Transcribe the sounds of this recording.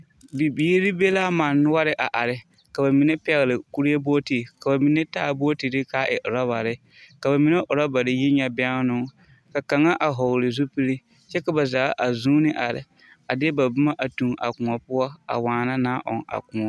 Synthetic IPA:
bi˨bi˨˦e˦ɾɪ˦be˦laː˦ma˨nːʊ˦a˦ɾɪ˦ʔa˨ʔa˨ɾɪ˦ | ka˨ba˨mi˨ne˦pɛ˨ɣɪ˨lɪ˨ku˦ɾi˦e˦bo˦ti˨ka˨ba˨mi˨ne˦taː˦bo˦o˦ti˨dɪ˦kaː˨˦ʔɪ̰˨ʔʊ˨ɾa˦ba˨ɾɪ˦ | ka˨ba˨mi˨ne˦ʔʊ˨ɾɔ˦ba˨ɾɪ˦ji˦ɲɛ˦bɛ˦ŋ˦nʊ˦ŋ | ka˨ka˨ŋa˦ʔa˨ɦɔ˨ɣlɪ˨zu˦pi˦ɾi˦ | t͡ʃɛ˦ka˨ba˨zaː˨˦ʔa˨zuː˦nɪ˦ʔa˨ɾɪ̰˨ | a˨dɪ˦ba˨bʊ˦ma˦ʔa˨tu˨ŋʔa̰˨kʊ̃˨ŋɔ˨pʊ˦ɔ˦a̰˨waː˨na˦naː˦ʔɔ̰˨ŋa̰˨kʊ˨ŋɔ˦

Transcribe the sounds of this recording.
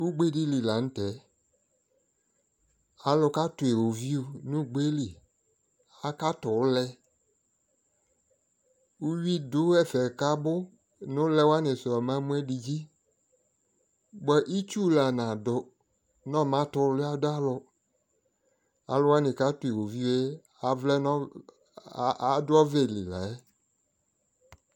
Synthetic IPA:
u˦ɡ͡be˦di˦li˨la˨n̩˦tɛ˨˦ | a˨lʊ˧ka˦tʊ˨e˨o˨vi˦u˦˨nʊ̃˦˨ɡ͡be˦li˨ | a˨ka˦tʊ˨˦lɛ˧ | u˦wi˦dʊ˨˦ɛ˦˨fɛ˨ka˦bʊ˦ | nʊ˦lɛ˦wa˦nɪ˨sʊ˨a˨mã˦mũ˦ɛ˦di˧d͡ʒi˦ | bɛ˨ʔi˦t͡ʃu˦la˨nã˨dʊ˨ | nɔ̃˦˨mã˨˦tʊ˨˦lʊ˦a˦dʊ˦a˦lʊ˨ | a̰˨lʊ˦wa˦nɪ̃˨ka˦tʊ˨i˨wo˨vi˦we˦ | a˨vlɛ˦nɔ˦ | a˨˦dʊ˦ɔ˦ve˦˨lḭ˨la̰˨ɛ˦

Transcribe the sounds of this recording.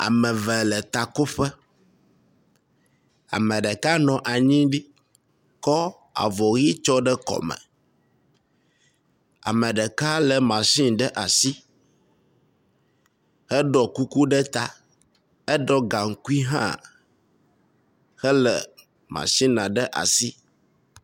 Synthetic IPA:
a̰˨mə̃˨vɛ˨lə˨t̪a˨ko˦ɸɛ˦ | a̰˨mə̃˨ɖə˨ka˦nɔ̃˨ʔa˨ɲĩ˦ɖi˦ | kɔ˦ | a̰˨vɔ˨ɣi˦t͡ʃɔ˦ɖə˦kɔ̰˨mə̰̃˨ | a̰˨mə̃˨ɖə˨ka˦lə˨mã˨sĩ˦ɖə˦ʔa˨si˦ | hɛ˦ɖɔ˨ku˦ku˦ɖɛ˦t̪a̰˦ | ɛ˦ɖɔ˦ɡa˨ŋ̩˨ku˦i˦ɦã̰˦ | xɛ˦lə̰˨ | mã̰˨sĩ˦nã˨ɖə˦ʔa̰˨si˦

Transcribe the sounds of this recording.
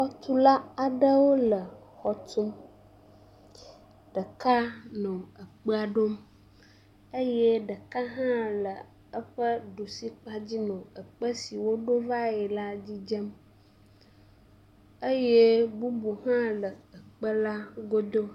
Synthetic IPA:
xɔ˦t̪u˦la˦a˨ɖə˦wo˦lə˨xɔ˨t̪u˦m | ɖ̥ə˨ka˦nɔ̃˨ə˨k͡pə˦a˨ɖo˦m | ə˦jɛ˦ɖə˨ka˦ɦã˦lə˨ | ə˦ɸə˦ɖo˨si˦k͡pa˦d͡ʑi˦nɔ̃˨ə˨k͡pə˦si˨wo˦ɖo˦va˦jɛ˨la˦d͡ʑi˦d͡ʒə˦m | ə˦je˦bu˦bu˨ɦã˦lə˨ə˨k͡pə˦la˦ɡo˦d̪o˦

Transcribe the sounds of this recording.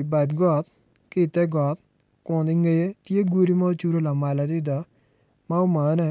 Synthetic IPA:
ba˨d̪ɡɔ˨t̪̚ | kɪ˦˨t̪ɛ˦ɡɔ˨t̪̚ | kʊ˨nd̪ɪ˦ŋɡe˦je˦t̪je˦ɡu˦ɾi˦ma˦t͡ʃu˦ɾo˦la˨ma˨la˨d̪ɪ˦d̪ɔ˨ | ma˦o˦ma˨˦nɛ˦

